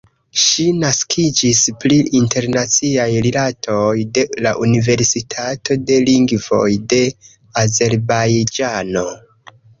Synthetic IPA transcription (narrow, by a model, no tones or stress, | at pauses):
ʃinaskʰid͡ʒispɾiinte̞ɾnat͡siajɾilatʰo̞jde̞laʔunive̞ɾsitʰato̞de̞liŋɡvo̞jde̞ | aze̞ɾbajd͡ʒano̞